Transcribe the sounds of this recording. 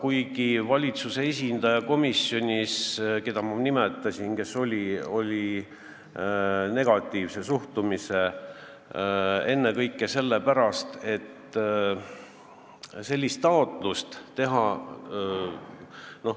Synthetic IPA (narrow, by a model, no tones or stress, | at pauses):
kujɡivɑlʲit̪suse̞esʲind̪̥ɑjɑko̞misjo̞nʲiske̞d̪̥ɑmɑnimet̪ːˑɑsinke̞so̞lʲio̞lʲi | ne̞ɡ̥ɑt̪ˑːiːvse̞suht̪umise̞ | e̞nːe̞kɤjkːˑe̞se̞lːe̞pæɾɑst̪e̞t̪ː | se̞lʲːist̪ːɑo̞t̪ˑlust̪t̪e̞ɦɑ | no̞h